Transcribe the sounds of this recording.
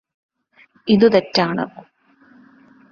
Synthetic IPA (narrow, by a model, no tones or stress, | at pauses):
iðut̪etːaːɳɨ̰